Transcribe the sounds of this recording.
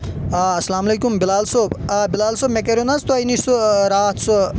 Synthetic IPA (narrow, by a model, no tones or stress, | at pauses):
ɐsɐlaːmɐlekumbilaːlsoːbbilaːlsoːbmek̬ɐɾunɐzt̪uɐjnisuɾaːt̪ʰsu